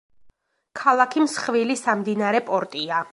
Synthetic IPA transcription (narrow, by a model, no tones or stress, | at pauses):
kʰalˠakʰimsχvilisamd̪inaɾɛpʼɔɾt̪ʼia